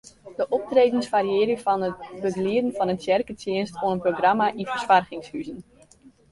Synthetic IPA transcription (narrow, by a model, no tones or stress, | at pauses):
dəʔɔp̚treːdənsfaɾiɪːɾjəfɔnətbəɡliədən̩fɑnətsɛrkətʰɪənstoənənproɡramaʔifərsfarɣɪŋshyzən